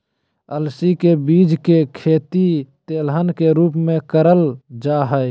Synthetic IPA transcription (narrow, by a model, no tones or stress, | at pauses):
əlsikebiːd͡ʒkekʰeːt̪it̪eːlɦənkeɾuːpmẽkəɾəld͡ʒaɦəɪ